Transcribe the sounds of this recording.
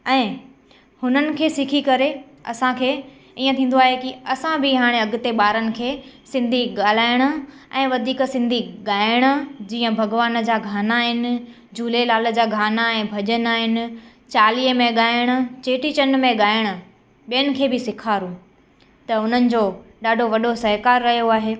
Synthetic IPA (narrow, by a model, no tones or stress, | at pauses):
ɛ̃ː | hʊnənɪ̆kʰeːsɪkʰikɐɾe | ɐ̰sãkʰeː | iːə̃t̪ʰĩːn̆d̪oaːɦekiɐsãbʱiɦaːɽ̃eɐɡʊ̆t̪eɓaːɾənɪ̆kʰeː | sɪ̃nd̪ʱiɠaːl̤aːɪɽ̃ʊ̆ɛ̃ːʋɐd̪ʱiːksɪ̃nd̪ʱiɠaːɪɪɽ̃ə̆d͡ʑiːə̃bʱɐɡʋaːnd͡ʑaːɡʱaːnaːɦɪnɪ̆ | d͡ʑʱuːlelaːlə̆d͡ʑaːɡʱaːnaɛ̃ːbʱɐʄənaːɦɪnɪ̆ | t͡ɕaːliːəmẽɠaːɪɽ̃ʊ̆t͡ɕeːʈit͡ɕɐnmẽɠaːɪɽ̃ʊ̆ | ɓijənɪ̆kʰeːbɪsɪkʰaːɾũ | t̪ɐʊn̤ənɪ̆d͡ʑoːɗaːɖʱoʋɐɗosɐɦkaːɾːɐɦijoaːɦeː